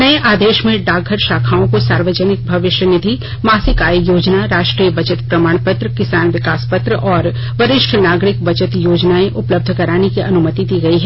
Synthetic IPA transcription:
nɐeʔaːd̪eːʃmẽɖaːɡʱəɾʃaːkʰaːõkosaːɾʋəd͡ʒənɪk̚bʱɐʋɪʃjənɪd̪ʱi | maːsɪkaːjjoːd͡ʒnaɾaːʃʈɾiːjəbɐd͡ʒət̪pɾɐmaːɽ̃pət̪ɾəkɪsaːnʋɪkaːspət̪ɾəʔɔːɾ | ʋɐɾɪʃʈʰnaːɡɾɪkbɐd͡ʒət̪joːd͡ʒnaːẽʔʊpləb̚d̪ʱkɐɾaːnekiʔɐnʊmət̪id̪iːɡɐiɦɛː

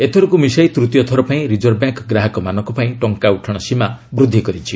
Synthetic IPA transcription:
et̪ʰɔɾukumisajt̪ɾut̪jɔt̪ʰɔɾɔpaĩɾid͡ʒɔɾbjaŋkɡɾaɦɔkɔmanɔŋkɔpaĩʈɔŋkauʈʰɔɽ̃ɔsimabɾud̪ʱːikɔɾit͡ʃʰi

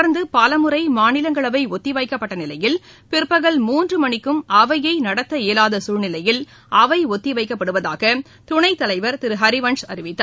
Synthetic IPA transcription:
ɐɾnd̪ɯpaːlɐmɯrɐɪmaːnɪlɐŋɡɐɭɐʋɐɪɔt̪ːɪʋɐɪkːɐpːɐʈːɐnɪlɐjɪl | pɪɾpːɐɣɐɭmuːndrɯmɐɳɪkːɯmɐʋɐjɐɪnɐɽɐt̪ːɐeːlaːðɐsuːɻnɪlɐjɪl | ɐʋɐɪɔt̪ːɪʋɐɪkːɐpːɐɽɯʋɐða̰ːɣɐ | t̪ʊɳɐɪt̪ːɐlɐɪʋɐɾt̪ɪɾɯɦɐɾɪʋɐɳsɐɾɪʋɪt̪ːaː

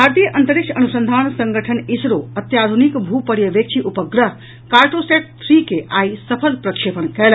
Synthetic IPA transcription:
bʱaɾt̪ijəʔənt̪əɾikʂʰɐnusənd̪ʱaːnsəŋɡəʈʰənisɾoɐt̪jaːd̪ʱunikbʱupəɽjəʋek̚t͡ʃʰiʔupəɡɾə | kaɾʈoseʈ̚t̪ʰɾikeʔaisəpʰəlpɾɐkʂepənkɛl

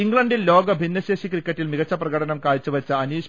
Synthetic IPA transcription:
iŋɡɭɐɳɖillo̞ːɡɐbʱinːɐseːɕikrikːɐʈːilmiɣɐt͡ɕːɐprɐɣɐɽɐnɐmkaːɭt͡ɕːuʋɐt͡ɕːɐɐniːɕ

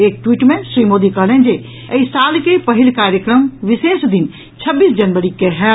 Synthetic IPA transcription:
eːk̚ʈwiːʈmẽʃɾimoːd̪ikəɦlẽnd͡ʒe | əisaːlkepəɦɪlkaːɾjəkɾəmʋɪseːsd̪in | t͡ʃʰəbːiːsd͡ʒənʋəɾikeɦɛ

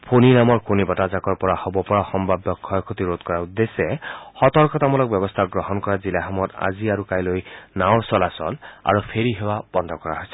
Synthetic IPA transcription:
pʰoninamɔɹpʰonibɔtazakɔɹpɔɹahobɔpɔɹaxɔmbʱabjɔkʰːɔjkʰot̪iɹot̪kɔɹaud̪ːesɛxɔt̪ɔɹkɔt̪amɔlɔk̚bjɔbɔst̪ʰaɡɹɔhɔnkɔɹazilaɦɔmɔta̰ziaɹukajlojnawɹsɔlasɔla̰ɹupʰeɹiɦewab̥ɔnd̪ʱɔkɔɹa̰ɦojsɛ̥

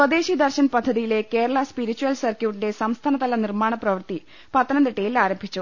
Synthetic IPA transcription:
swɐd̪e̞ːɕid̪ɐrɕɐnpɐd̪ʱːɐðijile̞ke̞ːɾɐɭɐspiɾit͡ɕːuʋɐlsɐrkjuːʈːinde̞sɐmst̪ʰaːnɐt̪ɐlɐnirmaːɳɐprɐʋɐrt̪i | pɐt̪ːɐnɐnd̪iʈːejilaːɾɐmbʱit͡ɕːu

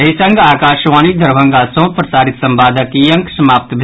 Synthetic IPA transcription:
ɐɦisɐ̃ŋɡʱaːkaːʃʋaːnid̪ʱɐɾbʱɐ̃ŋɡaːsõpɾɐsaːɾɪt̪sɐ̃mbaːd̪ʱəkijə̃ŋksɐmaːp̚t̪bʱ

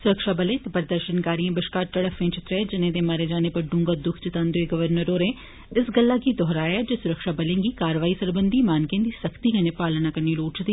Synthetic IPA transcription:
sʊɾəkʃaːbəlẽːt̪eːpəɾd̪əɾʃənkaːɾiːãːbəʃkaːɾʈəɽəkʰʋẽːt͡ʃɪt̪ɾẽːd͡ʒɪnẽːd̪eːməɾeːd͡ʒaːneːpəɾɖʊ̃ŋɡəd̪ʊkʰt͡ʃɪt̪ãːnd̪oeːɡəʋəɾnəɾoːɾẽː | ɪsɡəlːaːkiːd̪ɔːɦɾaːɛːd͡ʒeːsʊɾəkʃaːbəlẽːɡiːkaːɾʋaːiːsəɾbənd̪iːmaːnkẽːd̪iːsəkʰt̪iːkəneːpaːlnaːkəɾniːloːʈt͡ʃt̪iː

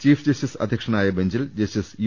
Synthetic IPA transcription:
t͡ɕiːfʰd͡ʑɐstisɐ̰d̪ʱjɐkʂɐnaːjɐbend͡ʑild͡ʑɐstisju

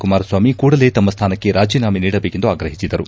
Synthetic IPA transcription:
kumaːɾɐsʋaːmikuːɽɐle̞t̪ɐmːɐst̪ʰaːnɐkːe̞ɾaːd͡ʒiːnaːminiːɽɐbe̞ːke̞nd̪uaːɡɾɐɦisid̪ɐɾu

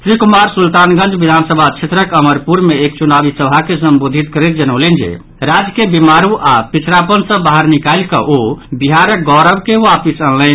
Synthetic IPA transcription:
t̪ɾikumaɾsult̪anɡə̃nd͡ʒbid̪ʱansəbʱat͡ʃʰet̪ɾəkəməɾpuɾmeekt͡ʃunabisəbʱakesəmbod̪ʱit̪kəɾɛt̪̚d͡ʒənəʊlɛnd͡ʒḛ | ɾad͡ʒkebimaɾuʔapit͡ʃʰɾapənsə̃baɦəɾnikajlkə̰ʔobiɦaɾək̚ɡɔɾəbkeapisəllɛn

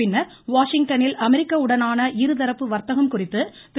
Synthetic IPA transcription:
ɪnːɐɾ | ʋaːʂɪŋɡ̚ʈɐnɪlɐmɛɾɪkːɐɯɽɐnaːnɐʔiɾɯðɐɾɐpːɯʋɐɾt̪ːɐɣɐmkʊrɪt̪ːɯ | t̪

